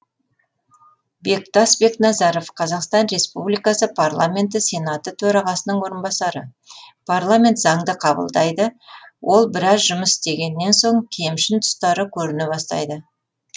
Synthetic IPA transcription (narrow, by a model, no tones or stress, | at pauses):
be̞k̚t̪ɑsbe̞knɑzɑɾo̞fqʰɑzɑqst̪ɑnɾe̞spublijkasəpʰarlˠa̰mʲe̞nt̪̬ɪsʲe̞nat̪ət̪ʰɵɾɑʁɑsənəɴwo̞ɾənbɑsɑɾə | pʰarlˠamʲe̞nt̪zɑɴd̪əqʰɑbə̰lˠd̪ɑjd̪əwʔo̞lˠbɪɾɑzʒʊməsɪst̪e̞ɡʲe̞nːe̞nso̞ɴkʲʰe̞mʃɪnt̪ʰʊ̥st̪ɑɾəkʲʰɵɾɪnebɑst̪ɑ̰jd̪ə